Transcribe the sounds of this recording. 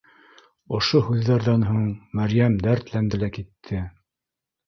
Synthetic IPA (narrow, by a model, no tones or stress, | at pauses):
ŏʃohʉðːæɾðɑnɦuɴmæɾjæmd̪æɾt̪lænd̪ɘ̆lækit̪ʰːɘ